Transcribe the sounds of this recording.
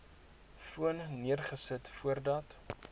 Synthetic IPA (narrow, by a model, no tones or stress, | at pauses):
fuənniərχəsətfuərdɐt